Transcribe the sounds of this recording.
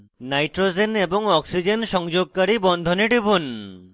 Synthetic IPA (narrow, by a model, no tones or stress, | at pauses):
najʈɾod͡ʑeneboŋɔksid͡ʑenʃɔŋd͡ʑoɡ̚kaɾibɔnd̪ʱoneʈibun